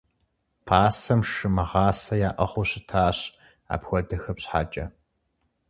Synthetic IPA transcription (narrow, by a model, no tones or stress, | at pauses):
pʰaːsɐmʂɨmɨʁɑːsɐjaːʔɐχʷʊɕɪtʰaːɕ | a̰ːpxʷɔdɐxɐpɕħa̰ːt͡ʃʼɐ